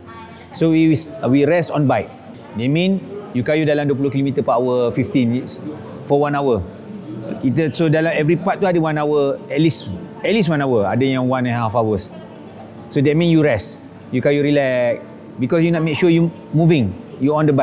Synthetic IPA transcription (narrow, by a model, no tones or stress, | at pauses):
sowiwiswiɹɛsɔ̃nbajk̚ | dɛt̚mĩnjukajudalamdop̬ulokilomit̪əpaawəfiftĩnits | fɔwãnawə | kit̪əsodalamɛvɾipat̚ːuadəwãnawəɛtlisɛt̚lis̬wãnawəa̰dəjãŋwãnɛ̃nhafawəsː | odɛt̚mĩnjuɹɛs | jukajuɹilɛk̚ | bikɔsjunɔt̚mek̚ʃuəju | muvĩŋjuɔ̃ndəba